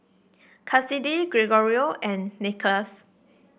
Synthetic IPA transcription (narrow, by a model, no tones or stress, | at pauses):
kʰasidiɡɹeɡɔɹioʔɛ̃nːiklas